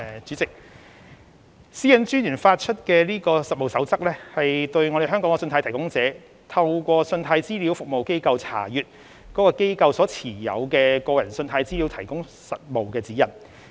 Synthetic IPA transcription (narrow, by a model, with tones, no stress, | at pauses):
t͡ʃyː˨˥t͡sɪ˨k̚ | siː˥jɐ˨˥nt͡ʃyː˥njyː˨˩nfaː˧t̚t͡ʃʰɵ˥t̚kɛː˧liː˥kɔː˧sɐ˨t̚mo˨wsɐ˨˥wt͡sɐ˥k̚lɛː˥hɐ˨jt̪ɵ˧ɥŋɔ˨˧ɾe˨˩ɦœː˥ŋkɔ˨˥ŋɛ˧sɵ˧nt̪ʰa˧˥t̪ʰɐ˨˩kʊ˥ŋt͡sɛː˨˥ | t̪ʰɐ˧˥wkʷɔː˧sɵ˧nt̪ʰaː˨˧jt͡siː˥li˨˥wfʊ˨k̚mo˨wke˥jkɐ˧wt͡sʰa̰ː˨˩jyː˨t̚ | kɔː˨˥kɔː˧ke˥jkɐ˧wsɔː˨˥t͡sʰiː˨˩jɐ̰˨˧wkɛː˧kɔː˧jɐ˨˩nsɵ˧nt̪ʰaː˧˥jt͡siː˥li˨˥wt̪ʰɐ˨˩jkʊ˥ŋ | sɐ˨t̚mo˨wkɛː˧t͡siː˨˥jɐ˨˩n